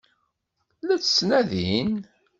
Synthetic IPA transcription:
læt͡sːsnæðin

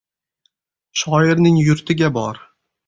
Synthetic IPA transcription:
ʃɒɪɾnɪŋjʊɾt̪ʰɪɡʲabɒɾ

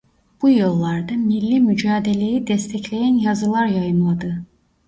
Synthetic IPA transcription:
b̥ujɯlˠːaɾd̪amilʲːimyd͡ʒaːd̪elʲejid̪ɛst̪ʰɛclʲejænjazɯlˠaɾjajɯmad̪ɯ

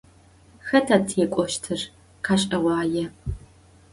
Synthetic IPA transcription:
xɐtʰatʰekʷʼɔʃtʰɨr | qʰaːɕʼɐwʷɑːjɛ

